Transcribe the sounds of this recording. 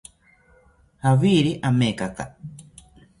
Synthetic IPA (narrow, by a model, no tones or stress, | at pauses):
haβiːɾiʔameːkaka